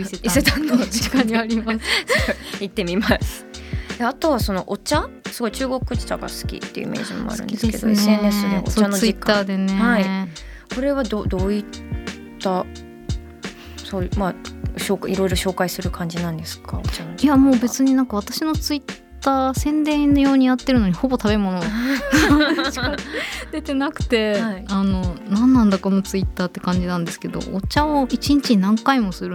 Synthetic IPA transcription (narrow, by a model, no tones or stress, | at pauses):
iseiset̪anoikaɲiaɾʲimassoit̪ːe̞mʲimasɨ̥eat̪o̞βaso̞no̞ʔot͡ɕasɨɡo̞it͡ɕɨːɡo̞kɯt͡ɕi̥t̪aɡa̰sɨ̥kʲḭt̪ːḛiɯ̰ḭmʔe̞̰ːʑimmo̰a̰ɾɯ̟̃e̞se̥ked̪oisẽɲːesonoʔo̰t͡ɕanod͡ʑikːaad̪enhai | ko̞ɾe̞βad̪od̪o̞ːit̪ː | a | somaɕoːkiɾo̞iɾo̞ɕo̞ːkaisɨɾɯ̟kʰãɲ̟d͡ʑinãnd̪e̞sɨ̥ka̰ot͡ɕanijamo̞ːbe̞t͡sɨɲ̟inãŋkaβ̞at̪aɕino̞t͡sɨit̪ːaːsẽ̞nd̪ẽ̞nojo̞ːɲ̟ijat̪ːe̞ɾɯ̟no̞ɲ̟iho̞bo̞t̪aβe̞mo̞no | ɕiad̪e̞t̪e̞nakɯ̟̥t̪e̞iano̞nãnːãnd̪ako̞not͡sɨit̪ːaːt̪ːekãɲ̟d͡ʑinãnd̪e̞sɨ̥ke̞d̪o̞̰ʔːt͡ɕãoit͡ɕiɲ̟it͡ɕiɲinãŋkaimo̞sɨɾɯ